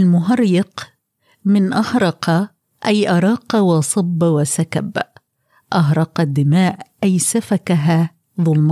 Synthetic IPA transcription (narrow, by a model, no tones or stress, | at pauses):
ʔalmʊɦɑɾˤːɑq | mɪnʔɑhɾˤɑqɑ | ʔajʔɑɾˤɑːqɑwɑʔsˤɑbːwasaka̰b | ʔɑɦɾˤɑqɑd̪ːɪmaːʔʔajsafakaɦaː | ðˤʊlmɑ